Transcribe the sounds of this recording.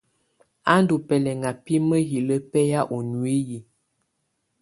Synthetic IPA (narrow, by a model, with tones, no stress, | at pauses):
a˦n˦du˨pɛ˨lɛ˨ŋa˨pi˦mə˦ɦi˨lə˦pɛ˦ja˦ʔo˨nwe˦ji˨